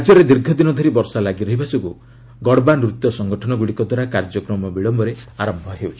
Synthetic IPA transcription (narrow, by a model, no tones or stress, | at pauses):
d͡ʒɔɾed̪iɾɡʱɔd̪inɔd̪ʱɔɾibɔɾsalaɡiɾɔɦibasɔku | ɡɔɽbanɾut̪ːjɔsɔŋɡɔʈʰɔnɔɡuɽikɔd̪waɾakaɾd͡ʒɔkɾɔmɔbiɭɔmbʱɔɾeaɾɔmbʱɔɦewt͡ʃʰi̥